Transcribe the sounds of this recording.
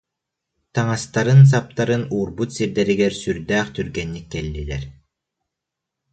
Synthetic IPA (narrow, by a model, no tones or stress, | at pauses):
t̪aŋast̪aɾɯns̬ap̚t̪aɾɯnuːɾbut̪siɾd̪ɛɾiɡɛɾsyɾd̪æːχt̪yɾɡɛnːikːɛlːilɛɾ